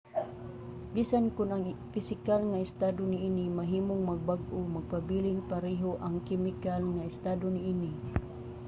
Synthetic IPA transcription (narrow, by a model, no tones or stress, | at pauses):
bisankʊnaŋfɪsɪkalŋaɪst̪ad̪ʊniinimaɦiːmʊŋmaɡ̚baɡʔʊmaɡ̚pabilɪŋpaɾɛɦoʔaŋkɛmɪkalŋaɪst̪ad̪ʊniʔini